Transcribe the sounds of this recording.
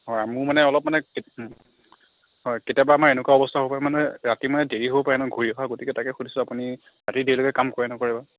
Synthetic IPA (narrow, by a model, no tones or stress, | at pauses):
hɔjamumanɛɔlɔp̚manɛke | ɦɔjketijabaːmaɹenʊkwaɔbɔstʰaɦobpaɹɛmanɛɹatimanɛdeɹiɦobɔpaɹɛnɔɡʱoɹiɔkaɡotikɛtakɛxudʱisʊ̃apuni | ɹatidilokɛkamkoɹɛnɔkoɹiba